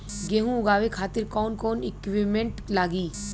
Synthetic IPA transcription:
ɡeːɦũʊɡaːʋekʰaːt̪ɪɾkɔːnkoːnɪkʋimẽɳʈlaːɡiː

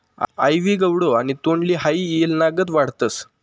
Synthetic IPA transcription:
ajʋiːɡəwɽoanit̪oɳliːɦaiːelnaɡət̪ʋaɽ̤t̪əs

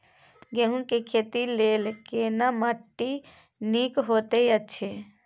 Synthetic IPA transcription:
ɡeɦũkekʰet̪ilelkenaməʈːi | nikɦot̪ejəːt͡ʃʰe

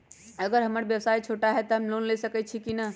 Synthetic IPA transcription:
əɡəɾɦəməɾbjəwsajt͡ʃʰoʈaɦɛt̪ɔɦəmlonlesəkɛt̪̚t͡ʃʰikinə

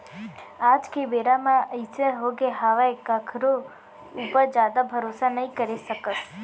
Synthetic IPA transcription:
ad͡ʒkeʋeɾamãəisəɦoɡeɦaʋaekakʰɾo | upəɾd͡ʒad̪abʱəɾosanəĩkəɾiʃəkəʃ

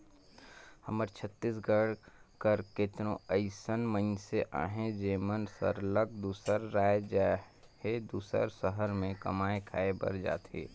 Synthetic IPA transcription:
həməɾt͡ʃʰət̪ːiːs̬ɡəɽkəɾkɪt̪ɾõəɪsənmə̃nseʔa̰ːɦẽd͡ʒeːmənsə̰ɾlək̚d̪uːsəɾːaːed͡ʒa | hed̪uːsə̰ɾsəɦəɾmẽkə̰maːẽkʰaːebə̰ɾd͡ʒa̰ːt̪ḛː

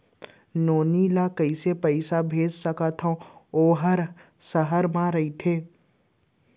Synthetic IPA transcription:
noːnilakɐisepɛɪsabʱeːd͡ʒsəkat̪ʰõoːɦəɾ | sɐɦəɾmãɾɐit̪ʰeː

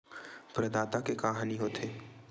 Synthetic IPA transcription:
pɾɐd̪aːt̪akekaɦaːniɦoːt̪ʰeː

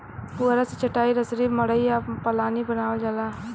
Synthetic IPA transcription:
puːɾasit͡ʃɐʈaːiɾəsɾiməɽəiapəlaːnibənaːʋəd͡ʒalaː

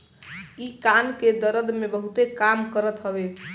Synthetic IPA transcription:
ikanked̪əɾəd̪mebəɦut̪ekamkəɾət̪ɦəbe

